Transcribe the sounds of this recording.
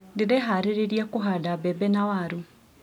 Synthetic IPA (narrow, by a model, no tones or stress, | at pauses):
dedɛɦaɾeɾeɾiakoɦadabɛbɛnawaɾu